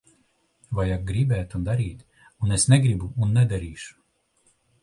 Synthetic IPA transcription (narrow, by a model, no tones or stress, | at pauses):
vajak̚ɡɾibɛːt̪ɔnd̪aɾʲiːt̪ | unɛsnʲɛɡɾibuːnːɛd̪aɾʲiːʃu̥